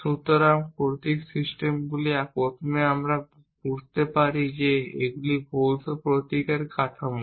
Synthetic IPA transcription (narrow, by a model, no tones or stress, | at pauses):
sut̪oɾamkoɾt̪iksisʈemɡuliaɾpɾot̪ʰomeamɾa | b̥uɾt̪epaɾid͡ʑeḛɡulibolt̪opɾot̪ikeɾkat̪ʰam